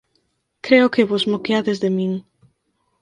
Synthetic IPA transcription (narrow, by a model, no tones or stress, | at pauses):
kɾeokeβozmokeaðezðemĩŋ